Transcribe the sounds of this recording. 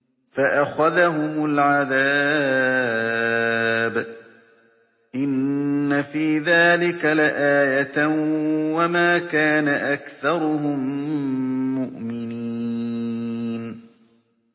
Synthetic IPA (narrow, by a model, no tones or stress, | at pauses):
faʔaxaðaɦʊmʊlʕaðaː | b | ʔɪnːafiːðaːlɪkalɪʔaːjat̪ | wamaːkaːnaʔakθɑɾˤʊɦʊmː | ʊʔmɪni | n